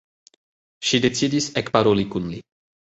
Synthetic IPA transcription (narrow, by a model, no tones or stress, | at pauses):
ʃide̞t͡sidisekpaɾolikunli